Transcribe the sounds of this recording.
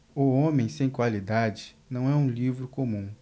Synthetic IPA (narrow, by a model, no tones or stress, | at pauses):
oõmẽj̃sẽj̃kwalid̪ad͡ʒɪ̥nɐ̃w̃ɛũlivɾʊkomũ